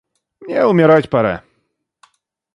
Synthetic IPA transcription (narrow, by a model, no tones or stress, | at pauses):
mɲɛumʲjɛɾat͡ɕpaɾɛ̰